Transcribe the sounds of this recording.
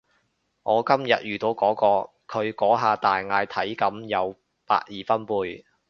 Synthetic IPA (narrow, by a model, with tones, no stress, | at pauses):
ŋɔː˨˧kɐ˥mjɐ̰˨t̚jyː˨˩t̪o˨˧wkɔː˨˥kɔː˧ | kʰɵ˨˧ɥkɔː˨˥ɦaː˨˧t̪aː˨jŋaː˧jt̪ʰɐ˨˥jkɐ˨˥mjɐ˨˧w | pa̰ː˧k̚jiː˨˩fɐ˥npuː˧j